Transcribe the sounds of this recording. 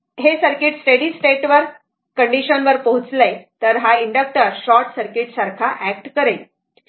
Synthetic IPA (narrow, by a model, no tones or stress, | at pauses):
ɦesəɾkiʈsʈeɽisʈeʈʋəɾ | kəɳɖiɕənʋəɾpəɦut͡slejt̪əɾɦaiɳɖək̚ʈəɾɕɔɾʈsəɾkiʈsaɾkʰaʔæk̚ʈkəɾe